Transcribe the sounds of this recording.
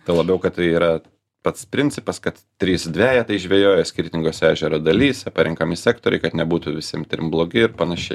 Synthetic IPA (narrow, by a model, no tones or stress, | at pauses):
t̪ɐɪlˠɐbʲɛʊkɐt̪t̪ɐɪiːɾɐ | pɐt̪spʲɾʲɪnʲtt͡s̪ʲɪpɐskɐt̪ | t̪ʲɾʲiːsd̪ʲʋʲæːjɛt̪ɐɪʒʲʋʲeːjoːjosʲkʲɪɾʲt̪ʲɪŋɡoːsʲæːʒʲɛɾoːd̪ɐlʲiːsʲɛpɐɾʲɪŋkɐmʲɪsʲæːkt̪oːɾʲɛɪkɐt̪nʲɛbuːt̪uʋʲɪsʲiɛmt̪ʲɾʲɪmblˠoːɡʲɪɪɾpɐnɐʃʲɛɪ